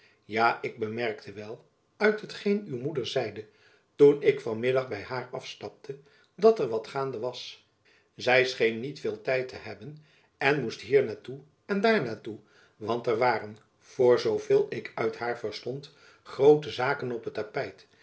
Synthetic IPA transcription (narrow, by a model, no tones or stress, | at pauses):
jaːʔɪɡ̚bəmɛrktʰəʋɛlˠ | œɥtɦətχejnywmudəɹzɛjdə | tunɪkfɑnmɪdɑχbɛjɦaːɹɑfstɑp̚tʰə | dɑtɛɹʋɑtχaːndəʋɑs | zɛjsχejnːitfɪːlˠtɛjtəɦɛbən | ɛnmustɦiːɹnaːtu | ɛndaːɹnaːtu | ʋɑntɛɹʋaːrən | v̥ʊːɹzowvɪːlˠɪkʰœɥtɦaːɹvəɹstɔnt | χrowtəzaːkənɔpətːapɛjt